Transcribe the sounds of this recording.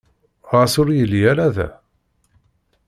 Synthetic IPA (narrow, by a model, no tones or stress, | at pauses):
ʁasʊɾjəlːjælæðæ̰